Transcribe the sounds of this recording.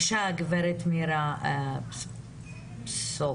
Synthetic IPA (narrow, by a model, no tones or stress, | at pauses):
ʃaɡvɛɾɛt̪miɾa | pssɔ